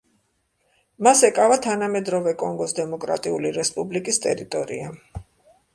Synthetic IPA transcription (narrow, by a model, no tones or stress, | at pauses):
masɛkʼavat̪ʰanamɛd̪ɾɔvɛkʼɔŋɡɔsd̪ɛmɔkʼɾa̰t̪ʼiuliɾɛspʼublikʼist̪ʼɛ̰ɾit̪ʼɔɾḭa